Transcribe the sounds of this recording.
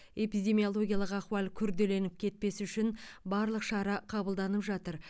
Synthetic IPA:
e̞pijd̪e̞mijolˠo̞ɡʲijɑlˠəqɑqwɑlˠkʲʰʏɾd̪e̞le̞nɪp̚kʲʰe̞t̪̚pe̞sʏʃɪnbɑɾlˠəqʃɑɾɑqʰɑbəlˠd̪ɑnəpʒɑt̪əɾ

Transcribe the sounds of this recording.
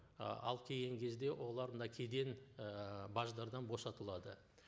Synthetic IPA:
ɑ̰lˠkʲʰe̞ɡʲe̞ŋkʲʰe̞zd̪e̞wʔo̞lˠɑɾmənɑkʲʰe̞d̪e̞n | bɑʒd̪ɑɾd̪ɑnbo̞sɑt̪əlˠɑd̪ə

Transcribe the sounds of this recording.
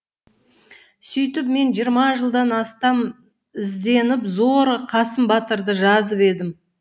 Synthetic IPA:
sʏjt̪ɪp̚me̞nʒijəɾmɑʒəlˠd̪ɑnɑst̪ɑm | ɪzd̪e̞nɪpzo̞ɾqʰɑsəmbɑt̪əɾd̪əʒɑzəpe̞d̪ɪm

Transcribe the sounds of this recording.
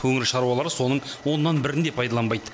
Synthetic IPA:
kʰɵŋɪɾʃɑɾuwɑlˠɑɾəso̞nəɴwo̞nːɑnbɪɾɪnd̪e̞pʰɑjd̪ɑlˠɑnbɑjd̪ə

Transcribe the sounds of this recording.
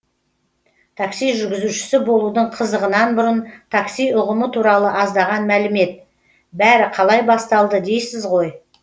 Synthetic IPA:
t̪ʰɑksijʒʏɾɡʲɪzuʃɪ̥sɪbo̞lˠud̪əɴqʰəzəʁənɑnbʊɾənt̪ʰaksijʊʁəmət̪ʰuɾɑlˠəʔɑzd̪ɑʁɑnmælɪme̞t̪̚ | bæɾɪqʰɑlˠɑjbɑst̪ɑlˠd̪əd̪e̞jsɪzʁo̞j

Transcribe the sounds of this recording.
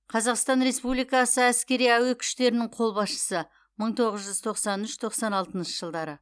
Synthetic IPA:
qʰɑzɑqst̪ɑnɾe̞spublijkɑsəæskʲe̞ɾijæwe̞kʲʰʏ̥ʃt̪e̞ɾɪnɪɴqʰo̞lˠbɑsʃə̥sə | məɴt̪ʰo̞ʁəzʒʏz̥t̪ʰo̞qsɑnʏʃt̪ʰo̞qsɑnɑlˠt̪ənʃəʒəlˠd̪ɑɾə

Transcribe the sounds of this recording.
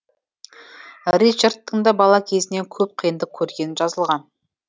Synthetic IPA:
rit͡ʃart̪ːəɴd̪ɑbɑlˠɑkʲʰe̞zɪne̞ŋkʲʰɵp̚qʰəjənd̪ək̚kʲʰɵɾɡʲe̞nɪnʒɑzəlˠʁɑn

